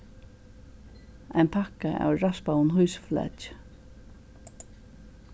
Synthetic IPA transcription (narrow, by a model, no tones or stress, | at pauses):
ajnpʰakaa̰wɹaspawnɦujsflɛ̰c